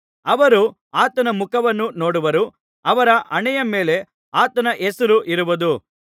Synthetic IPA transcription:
ɐʋɐɾu | aːt̪ɐnɐmukʰɐʋɐnːuno̞ːɽuʋɐɾu | ɐʋɐɾɐʔɐɳɛjɐme̞ːle̞ | aːt̪ɐnɐʔesɐluʔiɾuʋɐd̪u

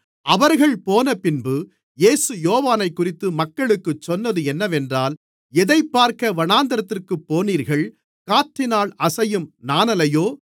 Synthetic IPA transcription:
ʔɐʋɐɾɣɐɭpoːnɐpɪnbɯ | jeːsɯjoːʋaːnɐɪkːʊrɪt̪ːɯmɐkːɐɭɯkːɯt͡ʃːɔnːɐðɯɛnːɐʋɛndraːl | ɛðɐɪpːaːɾkɐʋɐɳaːnd̪ɐɾɐt̪ːɪrkɯpːoːniːɾɣɐɭ | kaːʈːɪnaːɭɐsɐjɯmnaːnɐlɐjoː

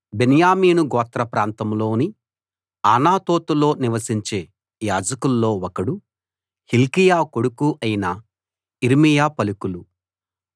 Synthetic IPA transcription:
benjaːmiːnuɡɔːt̪ɾɐpɾaːnt̪ɐmlo̞ːni | aːnaːt̪oːt̪ulo̞ːniʋɐsiɲt͡ʃe̞ː | jaːd͡ʒɐkulːo̞ːwɔkɐɽu | hilkijaːko̞ɽukuʔɐjinɐ | iɾmijaːpɐlukulu

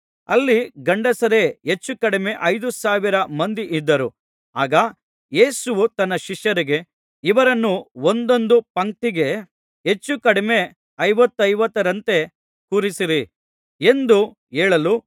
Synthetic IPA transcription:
ɐ̰lːiɡɐɳɖɐsɐɾe̞ɦe̞t͡ʃːukɐɽime̞ʔɐjd̪usaːʋiɾɐmɐnd̪iʔid̪ːɐɾu | aːɡɐ | je̞ːsuʋut̪ɐnːɐʃiʃjɐɾiɡe̞ | iʋɐɾɐnːuond̪o̞nd̪upɐŋʈiɡe̞ | ɦe̞t͡ʃːukɐɽime̞ | ɐjʋɐt̪ːɐjʋɐt̪ːɐɾɐnt̪e̞ | kuːɾisiɾi | e̞nd̪u | eːɭɐlu

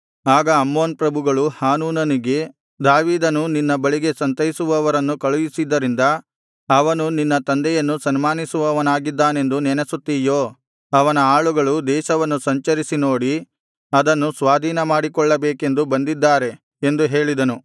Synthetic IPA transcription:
aːɡɐːmːoːnpɾɐbʱuɡɐɭuhaːnuːnɐniɡe̞ | d̪aːʋiːd̪ɐnuninːɐbɐɭiɡe̞sɐnt̪ɐjisuʋɐːʋɐɾɐnːukɐɭujisid̪ːɐɾind̪ɐ | ɐʋɐnuninːɐt̪ɐnd̪ɛjɐnːusɐnmaːnisuʋɐʋɐnaːɡid̪ːaːne̞nd̪unɛnesut̪ːijoː | ɐʋɐnɐaːɭuɡɐɭud̪ɛːʃɐʋɐnːusɐɲt͡ʃɐɾisino̞ːɽi | ɐd̪ɐnːusʋaːd̪ʱiːnɐmaːɽikɔɭːɐbeːke̞nd̪ubɐnd̪id̪ːaːɾe̞ | end̪uɦe̞ːɭid̪ɐnu

